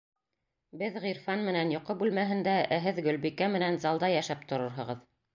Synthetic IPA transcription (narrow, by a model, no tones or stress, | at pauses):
bɘðʁiɾfɑnmɘ̆nænjŏqɤbʉlmæɦɘ̆nd̪æʔæɦɘðɡɵ̆lbikæmɘ̆nænzɑlˠd̪ɑjæʃæp̚t̪ŏɾɤɾɦɤ̆ʁɤð